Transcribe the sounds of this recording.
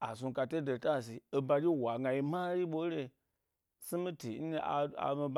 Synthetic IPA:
a̰˨s̬ũ˧ka˧te˦de˨ta˦˨s̬i˨e˧ba˧d͡ʒi˦˨wa˨ŋɡa˧ji˧ma˦ɾi˦ɓo˦ɾe˧ | si˦mi˦ti˨n̩˦n˧a̰˨a̰˨mi˧b

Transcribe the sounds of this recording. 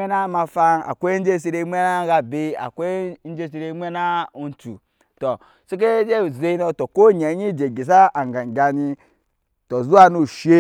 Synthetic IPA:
e˦na˦ma˨fa˦na̰˨kʷe˦d͡ʒe˦˨˦s̬i˦ɾe˦mʷ˦e˦na˦ɡa˨bi˦a̰˨kʷe˦n̩˦d͡ʒe˦s̬i˦ɾe˦mʷ˦e˦na˦u˦n˦tṵ˨ | to˨ | si˦k̬e˦d͡ʒe˦˨ze˦i˦no˨to˨ko˦ɲe˨˦ɲi˦˨d͡ʒe˨ɡi˨s̬a˦a˨ŋ˨ɡa˨ŋ˨ɡʲa˨ni˦ | to˨zu˦a˦nu˦˨ʃe˦

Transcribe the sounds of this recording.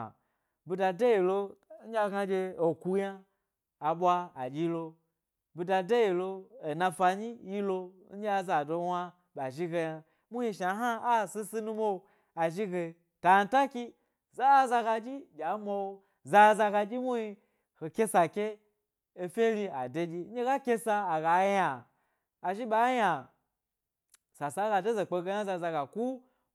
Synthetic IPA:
bu˧da˧de˦ji˨lo˧˦n̩˦d͡ʒʲa˧ɡa˧d͡ʒʲe˧o˨ku˧jaː˦˨ | ɓʷa˧a˨d͡ʒi˦lo˧ | bu˧da˧de˦ji˨lo˧o˨na˧fa˧ɲi˦ji˦lo˧n̩˦d͡ʒa˧za˨do˧wa˧ | ɓa˨ʒi˦ɡe˧ja˧ | mu˦ji˧ʃa˨˦ɦa˦a˦˨si˦si˦nu˦mo˦˧ | a˨ʒi˦ɡe˧ | ta˨n̩˦ta˦kʲi˦ | za˦za˧ɡa˧d͡ʒi˦ɡʲa˨˦ma˧wo˧ | za˧˦za˧ɡa˧d͡ʒʲi˦mu˦hi˧ | ho˨kʲe˦sa˨kʲe˦ | e˧fʲe˦lʲi˧a˨de˧˦d͡ʒi˧˦e˦ɡa˦kʲe˦saː˧˨ɡa˨˦jaː˨ | ʒi˦ɓa˨˦ja˨ | sa˨sa˨˦ɡa˧de˦ze˨k͡pe˧ɡe˧˦ja˦za˧za˧ɡa˨ku˦

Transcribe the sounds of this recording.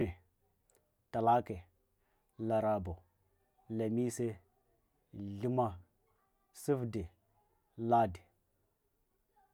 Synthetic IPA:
e˨ | ta˨la˦ke˨ | la˨ɾa˨bo˨ | la˨mi˦se˦ | ɮi˦ma˦ | si˦fde˨ | la˦de˨

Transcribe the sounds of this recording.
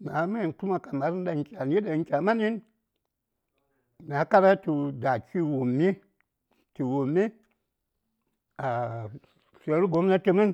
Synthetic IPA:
n˨a˨˦ma˦i˨nku˦ma˨ka˨ma˨˦ɾi˦n˦da˨ŋ˨˦kʲa˨n˨˦i˦da˨˦kʲa˨ma˦ni˦n˨ | n˨a˨˦ka˦ɾa˦tu˨˧da˨kʲi˦wu˨mːi˦ | tu˨wo˨mːi˦ | a˨ | se˨˦ɾi˦ɡo˨˦mna˦ti˦mi˦n

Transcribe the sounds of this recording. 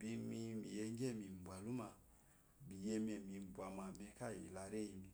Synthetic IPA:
bi˧mi˧mḭ˨jɛ˧ŋ˦ɡɛ˦˨mi˨m˨bwa˨lu˦ma˨ | bi˨jɛ˧mi˦ɛ˨mi˨m˨bwa˨ma˨mɛ˧ka˦˨ḭ˨la˨ɾɛ˦i˧mi˨

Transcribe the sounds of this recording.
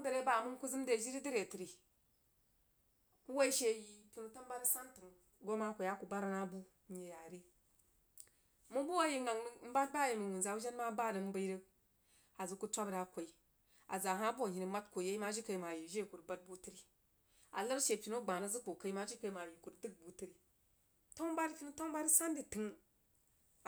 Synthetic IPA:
də˨ɾe˦ba˨mu˦nku˦zɨ˦m˦de˨d͡ʒi˦ɾi˦di˦ɾe˨ti˨ɾi˨ | ku˦wa˦i˦ʃe˦ji˨pʲi˨nu˨ta˦m˦ba˦ɾə˦sa˦ntu˨ŋ | ɡo˦ma˦kʷi˨a˦ku˨ba˦ɾa˦na˦bu˦ | ɲe˨ja˨ɾi˦ | mu˦bu˦wa˦ji˦ŋa˨ŋ˦m̩˦ba˦t̚ba˦˨ji˨mu˨wu˨nza˨wu˦ʒa˦n˦ma˦ba˦˨də˨m̩˦bə˦i˦ɾə˦ | a˨zu˦ku˦t͡ʃʷa˦bɾa˨kʷo˨i˨ | a˨za˨ɦa˦bu˦a˨ɦi˨ni˨ma˦tkʷo˨je˦i˦ma˦ʒi˦kə˨ma˨ji˨ʒe˦˨ku˨ɾba˦t̚bu˦ti˦ɾi˨ | a˨lə˦ɾʃe˨pi˨no˦ɡ͡ba˨na˦zɨ˦ku˨ka˦i˦ma˦ʒi˦ka˨i˦ma˨ji˨ku˨ɾdɨ˦k̚bu˨ti˦ɾi˨ | to˦ba˦di˦pʲi˦nu˦ta˦ba˦ɾi˦sa˦ndi˨tɨ˨ŋ˨

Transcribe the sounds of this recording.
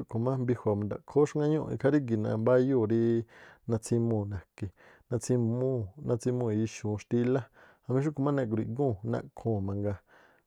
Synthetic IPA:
u˦ko˨mã˦mbi˧hʷa˨mã˨d̪a̰˨kʰo˦ʃŋɡã˦ɲõ˦˧ḭ˧kʰa˧˦ɾi˦ɡi˨nã̰˧˨mba˦jo˦˨ɾi˦nã˧t͡sʰĩ˧mũː˧˨nã˨ke˨ | nã˧t͡sʰĩ˧mũ˦˨nã˧t͡sĩ˧mũ˧˨i˨˧ʃũ˨˧ʃt̪i˧la˦ | a˧mĩ˧˦ʃ̬u˦ko˨mã˦nã˧˨k̬u˧ɾi˨ʔɡũ˦˨nã̰˧ʔkʰõː˦˨mã˧ŋɡa˧

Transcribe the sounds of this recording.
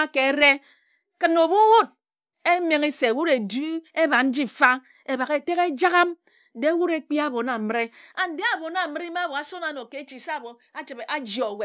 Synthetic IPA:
a˦ke˨˦ɾe˦ | kɨ˦˨no˨bu˦wo˦d̚ | e˦me˨ŋi˦se˨wu˦ɾe˨du˦e˦ba˨n̩˦d͡ʒi˦˨fa˦ | e˨βa˨ke˨te˦ke˦d͡ʒa˦ɣa˦m | de˦wu˦ɾe˦k͡pi˦a˦˨bo˨na˨m˦ɾe˦a˨n̩˦de˦a˨bo˨na˨mi˦ɾi˦ma˦˨bo˨a˨so˦na˨no˨ke˨˦t͡ʃi˨sa˦˨bo˨ | a˦t͡ʃi˨ba˦d͡ʒɔ˨we˨

